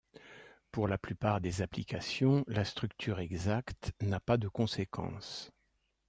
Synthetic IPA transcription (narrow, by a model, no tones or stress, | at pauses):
puʁlaplypaʁd̪ezaplikasjɔ̃last̪χykt̪ʰyʁɛɡzakt̪napad̪əkɔ̃sekʰɑ̰̃s